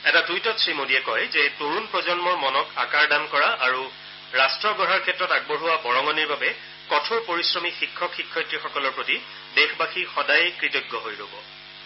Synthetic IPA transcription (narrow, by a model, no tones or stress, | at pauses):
ɛtatɹujtɔsɹimodiɛkɔjzɛtoɹunpɹɔzɔnmɔɹmɔnɔkakaɹdamkɔɹaʔaɹu | ɹastɹɔɡɔɹaɹkʰɛtːɹɔtaɡ̚boɹuwabɔɹɔŋɡɔniɹbabɛ | kɔtʰopoɹisɹɔmixikʰːɔkxikʰːɔjtɹixɔkɔlɔɹpɹoti | dexbaxixɔdajkɹitɔɡːɔɦojɹo̰bɔ